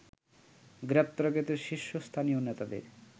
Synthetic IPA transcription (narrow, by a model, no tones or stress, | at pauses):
ɡɾep̚t̪oɾaɡet̪eɾʃiʃːost̪ʰanijonet̪ad̪ḛɾ